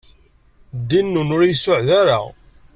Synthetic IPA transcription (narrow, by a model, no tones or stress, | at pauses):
d̪inːunʊɾjsʊʕðaɾa̰